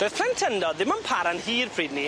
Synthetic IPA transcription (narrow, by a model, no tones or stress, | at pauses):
beːθpʰlˠɛntʰəndɔðɪməmpʰaɾanhiːrpʰriːdni